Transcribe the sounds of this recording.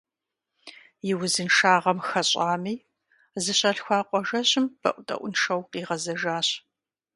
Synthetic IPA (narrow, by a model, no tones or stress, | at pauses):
jɪwʊzɨnʂaːʁɐmxɐɕʼaːmiː | zɨɕɐɬxʷaːqʷɔʒɐɕɪmb̥ɐ̰ʔʷʊtʼɐ̰ʔʷʊnʂɐwqiːʁɐzɐʒaːɕ